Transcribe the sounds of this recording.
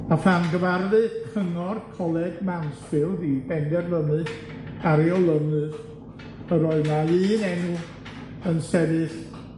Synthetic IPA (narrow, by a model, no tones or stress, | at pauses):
afanɡəvarðɨkʰəŋɔrkʰɔlˠɛdmansb̥ɪlˠribɛndɛrlənɨð | aɾiɔlˠənɨð | əɾɔɨnaɨːnɛnu | ənsɛðɨθ